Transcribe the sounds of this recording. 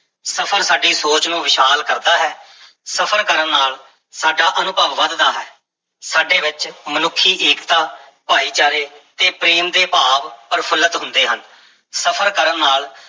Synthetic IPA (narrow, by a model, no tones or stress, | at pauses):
səpʰəɾsaːɖiːsoːt͡ʃnũːʋɪʃaːlkəɾd̪aːɦɛː | səpʰəɾkəɾəɳːaːl | saːɖaːʔənʊbʱəʋːəd̪d̪aːɦɛː | saːɖeːʋɪt͡ʃmənʊkʰːiːʔeːkt̪aː | paːiːt͡ʃaːɾeːt̪eːpɾeːmd̪eːpaːʋpəɾpʰələt̪ɦʊnd̪eːɦən | səpʰəɾkəɾənːaːl